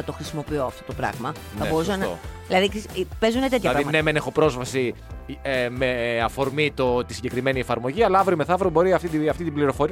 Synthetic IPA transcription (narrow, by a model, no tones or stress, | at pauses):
ɐt̪o̞xɾisimo̞pioɐft̪o̞t̪opɾɐ̰ɣmɐ | nɐbo̞usɐnðilɐðikispe̞zunet̪eçɐpɾɐiɣmɐnemenexo̞pɾo̞zvɐsi | emeɐfo̞ɾmit̪ot̪isiɲɟe̞kɾime̞nie̞fɐɾmo̞ʝiɐlɐɐvɾoime̞θɐvɾobo̞ɾiɐft̪it̪iɐft̪it̪ibliɾo̞fo̞ɾiɐ